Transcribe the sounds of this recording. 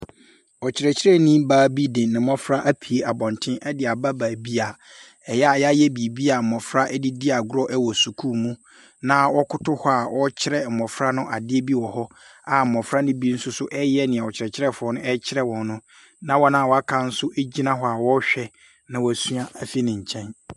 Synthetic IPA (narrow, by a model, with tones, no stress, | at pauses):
ɔ˨t͡ɕʰɪ˨ɾɛ˨t͡ɕʰɪ˦ɾɛ˦˨nĩ˦baː˨˦bi˦dɪ̃˨nɪ̃˨˦mɔ̃˦fɾa˦ʔa˦pʰi˨e˦a˨bɔ̃˨ntʰɪ̃˦ʔɛ˦dɪ˨a˨ba˦baː˨bi˦a˨ | ɛ˨ja˨ja˦jɛ˦bi˨bi˦a˨m̩˨mɔ̃˨fɾa˦ʔɛ˦di˦di˦a˨ɡʊ˦ɾɔ˦ʔɛ˦wɔ˨su˨kʰuː˦˨mũ˦ | nã˦wɔ˦kʰʊ˦tʊ˦hɔ˦a˨wʔɔ˦t͡ɕʰɪ˦ɾɛ˦m̩˨mɔ̃˨fɾa˦nʊ̃˦ʔa˨dɪ˦e˦bi˦wɔ˨hɔ˦ | a˨m̩˨mɔ̃˨fɾa˦nɪ̃˦bi˦n̩˦sʊ˦sʊ˦ʔɛ˦jɛ˦nɪ̃˨ɛ̃˨ɔ˨t͡ɕʰɪ˨ɾɛ˨t͡ɕʰɪ˦ɾɛ˦fʊ˨ɔ˦nʊ̃˦ɛ˦t͡ɕʰɪ˦ɾɛ˦wɔ̃˨nnʊ̃˦ | nã˦wɔ˦nã˦˨wɔ˨˦a˦kʰã˦n̩˦sʊ˦ʔe˦d͡ʑi˦nã˦ɦɔ˦a˨wɔ˦ɕᶣɛ˦ | nã˨wɔ˨æ˨sũ˦a˦a˨fi˦nɪ̃˨ɲ̩˨t͡ɕʰɛ̃˦n